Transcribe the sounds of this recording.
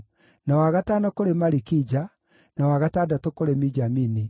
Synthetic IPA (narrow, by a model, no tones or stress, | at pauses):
nawaɣataːnakoɾemaɾikid͡ʒa | nawaɣatadatokoɾemid͡ʒamini